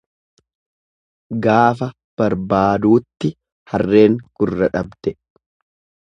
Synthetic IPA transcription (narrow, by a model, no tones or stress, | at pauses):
ɡaːfɐ | b̥ɐɾbaːd̪uːt̪ːɪ | hɐrːe̞ːŋkʊrːɐᶑɐbd̪̥ɛ